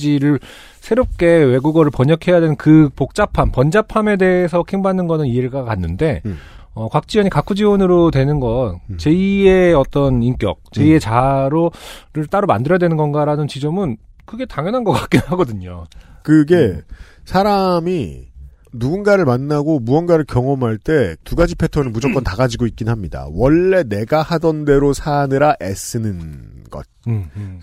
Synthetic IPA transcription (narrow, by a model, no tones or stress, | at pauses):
d͡ʑiɾɯɭ | sʰe̞ɾop̚k͈e̞we̞ɡuɡʌɾɯɭpʌɲʌkʰe̞jadwenɯnkɯpok̚t͡ɕ͈apʰampʌnd͡ʑapʰame̞de̞ːsʰʌkʰeŋbanːɯnɡʌnɯnieɭɡakanːɯnde̞ʌkwak̚t͡ɕ͈iʌɲikakʰud͡ʑiwonɯɾotwe̞nɯnɡʌnt͡ɕe̞ie̞ʌt͈ʌnink͈jʌ̰k̚t͡ɕe̞ie̞t͡ɕaɾoɾɯɭt͈aɾoma̰ndɯɾʌdwe̞nɯnɡʌnɡaɾanɯnt͡ɕid͡ʑʌmɯnkɯɡe̞taŋjʌnɦanɡʌk͈ak͈̚enɦaɡʌdɯɲokɯɡe̞ | sʰaɾami | nuɡunɡaɾɯɭmanːaɡomuʌnɡaɾɯɭkjʌŋʌmɦaɭt͈e̞tuɡad͡ʑipʰe̞tʰʌnɯnmud͡ʑʌk͈ʌntaɡad͡ʑiɡoit̚k͈inɯnɦamɲida̰wʌɭːe̞ne̞ɡahadʌnde̞ɾosʰanɯɾaʔes͈ɯnɯnɡ̥ʌt̚ɯ